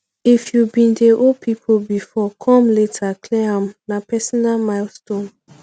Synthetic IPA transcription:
ifjubĩndeʔopʰipʰolbifɔkʰɔ̃mletʰakʰlɛãmnapʰɛsɔnalmaɪlstõn

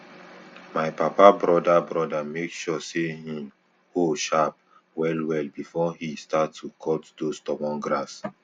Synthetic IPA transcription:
maɪpapabɹɔdabɹɔdamekʃɔsehĩm | hoʃap̚ | wɛlwɛlbifɔhistatːukʰɔtdostɔmɔ̃nɡɹas

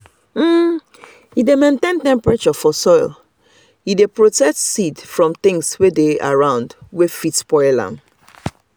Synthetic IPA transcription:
m̩ | idemẽntẽntɛ̃mpɹat͡ʃɔfɔsɔɪl | idepɹotɛk̚tsidfɹɔ̃mθɪ̃ŋswedea̰ɹãʊ̃ndwefitspɔɪlã̰m

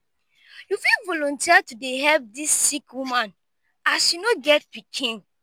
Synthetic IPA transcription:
jufivɔlɔ̃ntiatudeɦɛlp̚disːikʰwumãn | asjunoɡɛtpikʰĩn

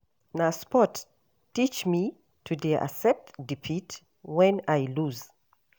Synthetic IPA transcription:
naspɔt | tːit͡ʃmi | tʰudeʔa̰sɛp̚tdipʰit | wɛ̃najluz

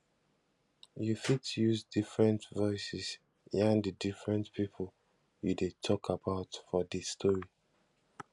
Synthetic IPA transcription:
jufitjuzdifɹɛ̃ntvɔɪsɪs | ãndədifɹɛ̃ntpʰipʰlˠ | judetʰɔkʰabaʊtfɔdistʰɔɹi

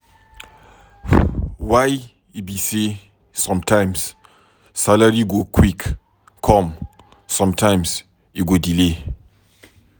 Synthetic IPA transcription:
waj | ibisi | sɔ̃mtʰãj̃ms | salaɹiɡokʰwik | kʰɔ̃m | sɔ̃mtʰãjms | iɡodile

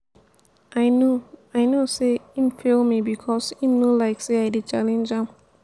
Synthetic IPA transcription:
ʔajnoajnoseĩmfelmibikʰɔsĩmnulaɪkseajdet͡ʃalɛ̃nd͡ʒãm

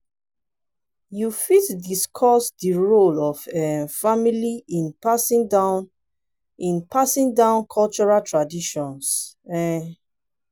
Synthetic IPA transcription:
jufitdiskʰɔsdiɹolɔvɛ̃nfamiliĩnpasĩŋdan | ĩnpʰasĩŋdãʊ̃nkʰɔlt͡ʃɔɹaltʰɹadiʃɔ̃ns | ɛ

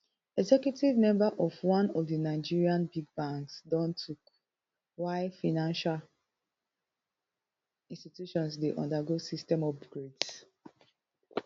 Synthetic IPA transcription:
ɛɡzɛkjutivmɛ̃mbaʔɔvwãnɔfdinaɪd͡ʒiɹiãnbiɡ̚bãŋksdɔ̃ntʰuk | waɪfanãnʃal | ĩnstitjuʃɔ̃nsdeʔɔ̰̃ndaɡosistɛ̃mɔfɡɹeds

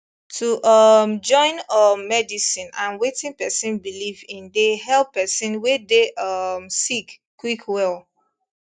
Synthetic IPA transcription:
tʰuʔʌmd͡ʒɔ̃ɪ̃nʌmːɛdisĩnãnwetĩŋpɛsĩnbilivĩndeɦɛlˠpːɛsĩnwedeʔʌmsikkːwikʰwɛl

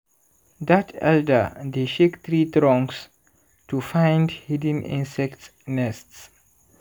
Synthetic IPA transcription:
d̪atʰɛ̰ldə̰d̪eʃekt̪ɾit̪ɾɔ̃ŋks | tufãɪ̃ndhidə̃nḭ̃nsɛktnɛsts

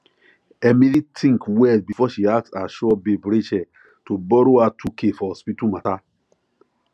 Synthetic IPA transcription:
ɛmĩlitʰĩŋkwɛlbifɔʃiak̚saʃɔbebɾit͡ʃɛ | tobɔɾoatʰukefɔspitumata

